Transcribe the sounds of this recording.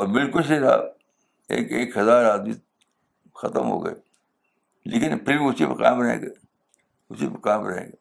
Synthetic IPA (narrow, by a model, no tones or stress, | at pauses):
ɔːɾbɪlkʊls̬eɾa̰ː | ḛːkeːkhɐzaːɾaːd̪mi | xɐt̪əmɦo̰ːɡɐ̰e | leːkɪnpʰɪɾbiʊsipəka̰ːmɾɐɦḛ̃ːɡe | ʊsipəkaːmɾɐɦḛ̃ːɡeː